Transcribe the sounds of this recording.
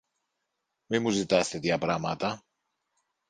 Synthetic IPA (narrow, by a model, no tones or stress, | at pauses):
mimuzit̪ɐst̪e̞t̪ʝɐpɾɐmɐt̪ɐ